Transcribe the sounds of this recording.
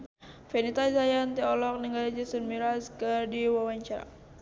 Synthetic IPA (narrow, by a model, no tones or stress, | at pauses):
fɛnit̪azajant̪iɔlɔk̚nəŋɡaɾad͡ʒasənmiɾaskərdiwawaɲt͡ʃaɾa̰